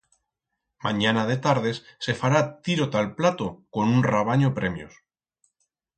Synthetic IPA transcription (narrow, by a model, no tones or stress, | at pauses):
maɲanaðe̞t̪aɾð̞e̞sːe̞faɾat̪iɾot̪alplat̪oko̞nunraβ̞aɲopɾe̞mjo̰s